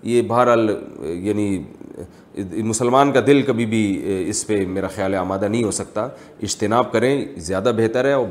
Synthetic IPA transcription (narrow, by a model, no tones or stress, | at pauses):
jebɐɦəɾɦaːljaːni | mʊsəlmaːnkad̪ɪlkɐbʱibʱiɪspemeːɾaxjaːlɦeaːmaːd̪anɐɦĩɦosɐk̚t̪a | ɪd͡ʒt̪ɪnaːb̚kɐɾẽzjaːd̪abɛɦt̪əɾɦɛɔːɾ